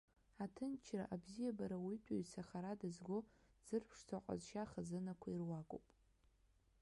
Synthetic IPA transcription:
atʰɨnt͡ʃʰra̰ʔabzijabaɾawitʷʼoɥsaχaɾadɨzɡʷoz̥ɨrpʰʂt͡sʰaqʷʼa̰zʃaχazɨnakʷʰairwakʷʼo̰wpʼ

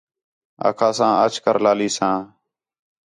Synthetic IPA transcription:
a̰ːkʰãːsãːət͡ʃkəɾlaːliːsãː

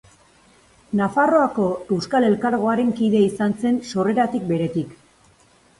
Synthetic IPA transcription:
nafaro̞ako̞e̞wskale̞lkaɾɣ̞o̞aɾe̞ŋkiðe̞isanse̞nso̞re̞ɾat̪ik̚be̞ɾe̞t̪ik

